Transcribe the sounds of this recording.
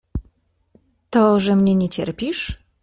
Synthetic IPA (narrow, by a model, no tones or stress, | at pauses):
t̪ɔʐɛmɲɛɲɛt͡ɕɛ̰ɾpʲiʂ